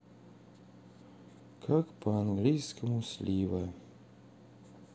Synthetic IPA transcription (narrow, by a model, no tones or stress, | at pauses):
kʰakpɔaŋɡlijskɛmuslʲiːʋɛ